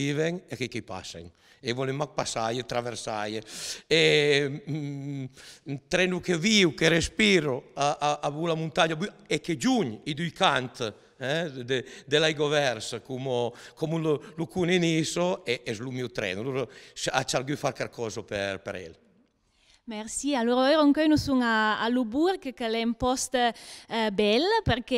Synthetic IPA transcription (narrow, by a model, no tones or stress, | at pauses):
ivɛŋekɛkɛjpa̰sḛŋ | evɔleŋmak̚pasajet̪ɾaveɾsajee | t̪ɾɛnukeviwkeɾespiɾoaʔaʔabulamunt̪aɲabyeked͡ʒuɲid̪yjkant̪ | ɛd̪ed̪elajɡɔvɛɾskumokɔmululukuninisoɛɛzlumiwt̪ɾɛ̰nualuɾsa̰t͡ʃaɾɡyfaɾkaɾkʰɔːzopɛɾpɛ̰ɾɛ̰l | mɛɾsialuɾɛɾoŋkœjnusuŋaːlubuɾkəkəlɛmpɔst̪ | bɛlpəɾkɛ